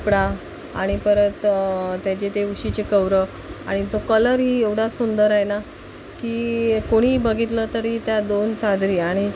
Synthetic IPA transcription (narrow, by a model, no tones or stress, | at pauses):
pɽa | a̰ɽ̃ipəɾət̪t̪jat͡ɕet̪euɕit͡ɕekəʋɾə | aɽ̃id͡zokələɾɦieʋɽ̤asund̪əɾajena | kiːkoɽ̃iːbəɡit̪lət̪əɾɦit̪jad̪ont͡sad̪ɾiːaɽ̃i